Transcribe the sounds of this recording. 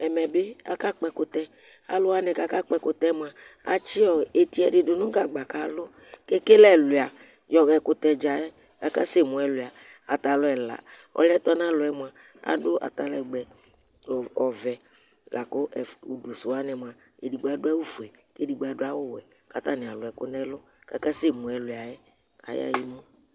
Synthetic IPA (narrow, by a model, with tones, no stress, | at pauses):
ɛ˨mɛ˨bɪ˦a̰˦ka˦k͡pɛ˦kʊ˦t̪ɛ˦ | a̰˦lʊ˦a˦nɛ˨ka˦ka˦k͡pɛ˦kʊ˦t̪ɛ˦mʊ˨a˨ | a̰˨t͡ʃi˦ɔ˨e˨t̪i˨˦ɛ˨dɪ˨dʊ˨nʊ̃˦ɡa˨ɡ͡ba˨ka˨lʊ˦ | ke˦ke˦lɛ˨lʊ˨a˨ | jɔ˨ɣɛ˨kʊ˦t̪ɛ˧d͡ʒa˨ɛ˦ | ka˦ka˦se˦˨mũ˨ɛ˨lʊ˨a˨ | a˨t̪a˨lʊ˦ɛ˨la̰˨ | ɔ̰˨lɛ˦t̪ɔ˦nã˦lʊ˨˦ɛ˦mʊ˨a˨ | a̰˨dʊ˦ʔa̰˨t̪a˨lɛ˨ɡ͡bɛ˨ | ɔ˨vɛ˨ | la˨kʊ˦ɛ˨u˨do˨sʊ˨a˦nɛ˨mʊ˨a˨ | e˨di˨ɡ͡ba˨˦dʊ˦ɛ˦wu˦fu˨ɛ˨ke˦di˨ɡ͡bɛ˨˦dʊ˦a˦wʊ˦wɛ˨ | ka˦t̪a˦˨nɪ˨a˨lʊ˨ɛ˨kʊ̰˦nɛ˦lʊ˦ | ka˦ka˦se˦˨mʊ̃˨ɛ˨lʊ˨a˨jɛ˦ | a̰˨ja̰˦ji˦mʊ̃˦